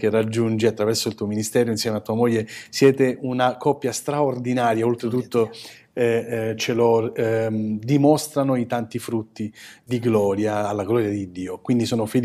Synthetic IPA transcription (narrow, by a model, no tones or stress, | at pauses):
kerːad͡ʒːund͡ʒiat̪ːɾavɛrsolt̪uːominist̪ɛːɾoinsjɛmeat̪ːuːamoʎːesjɛːt̪eunakɔpːjast̪ɾaord̪inaːɾjaolt̪ɾet̪̬ut̪ːo | ɛt͡ʃelo | d̪imɔst̪ɾanoit̪ant̪ifɾut̪ːid̪iɡlɔːɾjaːlːaɡlɔɾjad̪id̪ːiːokwind̪isoːnofil